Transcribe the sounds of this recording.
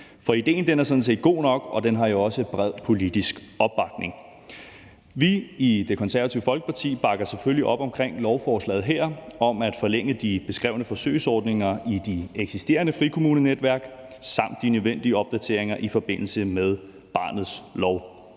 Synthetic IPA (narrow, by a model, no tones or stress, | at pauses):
fɒ̽id̥e̝̰ːnd̥enæɐsɒ̽d̥n̩s̬e̝̰ːd̥̚ɡ̥o̝̰ːnɒ̽ɡ̥ɒ̽d̥enɦɑ̈jo̝ɒ̽səb̥ʁɛð̞̰ˠpʰo̝lid̥isɡ̥ɒ̽b̥ːɑ̈ɡ̥ne̝ŋ | ʋiid̥e̝kʰɒ̽nsæɐæt͡sʰiʊəfɒ̽lɡ̥ə̥pʰɑ̈t͡sʰḭːb̥ɑ̈ɡ̥ɐsefølliʔɒ̽b̥ɒ̽mkʰʁeŋ̰lɒʊfɒːslɛ̰ːð̞̩ˠɦeɐ̰ɒ̽mæd̥fɒ̽leŋ̰əd̥ib̥e̝sɡ̥ʁɛ̰ʊnəfɒ̽sø̰ɪsɒːd̥ne̝ŋɐid̥ieɡ̥sisd̥e̝̰ːɐnəfʁikʰo̝muːnəned̥ʋæɐɡ̥ | sɑ̈m̰d̥ːinøʋen̰d̥iəɒ̽b̥̚d̥æt͡sʰe̝ɐ̰e̝ŋɐʔifɒ̽b̥e̝n̰l̩səmeð̞ˠ | b̥ɑ̈ːnð̞̩ˠslɒʊ